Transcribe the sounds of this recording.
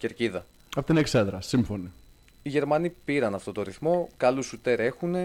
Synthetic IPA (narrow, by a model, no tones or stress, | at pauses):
ce̞ɾciðɐ | ɐfot̪ineksed̪ɾɐsimfo̞ni | iʝe̞ɾmɐnipiɾɐnɐft̪o̞t̪o̞ɾiθmo̞kɐlusut̪e̞ɾe̞xune̞